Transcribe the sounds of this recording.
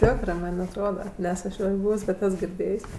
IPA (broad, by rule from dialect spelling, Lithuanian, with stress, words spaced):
ˈtʲæːkrɜ ˈmɐnʲ ɐtˈroːdɐ ˈnʲɛs ɐʃ ˈjoːj ˈbuːws bʲɛt ˈɛs ɡʲɪrʲˈdʲeːjsʲ